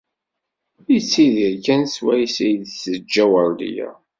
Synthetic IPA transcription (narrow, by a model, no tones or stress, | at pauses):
it͡sːiðiɾkænswæjisijðsəd͡ʒːæwəɾˤd̪ḭjæ̰